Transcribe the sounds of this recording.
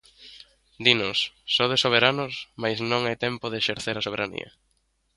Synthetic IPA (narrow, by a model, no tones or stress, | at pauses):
d̪inʊsːɔðesoβ̞eɾanʊsmajznõŋajt̪ɛmpoðeʃeɾθeɾasoβ̞eɾanḭɐ̰